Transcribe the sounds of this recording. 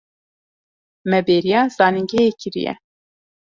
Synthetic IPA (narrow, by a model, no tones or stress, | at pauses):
mɛbeːɾijɑːz̥ɑːniŋɡɛjekʰɨɾḭjɛ̰